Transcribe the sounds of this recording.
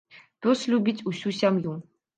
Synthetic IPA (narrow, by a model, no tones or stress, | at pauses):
t̪oslʲubʲitʲusʲusʲamjum